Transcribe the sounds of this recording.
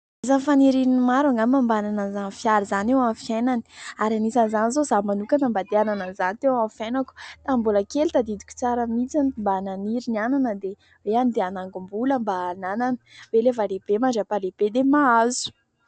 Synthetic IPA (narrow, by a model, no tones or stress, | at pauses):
izanifaniɾininimaɾaŋɡammambananazanfjaɾizanewanfjenani̥aɾanisanzanizozamanukanambad̪eananazanit̪ewãnfjanaku̥t̪ambuləkelit̪ad̪id̪u̥kʲu̥t͡saɾəmit͡sanmbananiɾiniananəd̪e | weanid̪eanaŋɡumbuləmbaːnananə̥welevaɾeb̥emaɳɖ͡ʐapaleb̥ed̪emaazu̥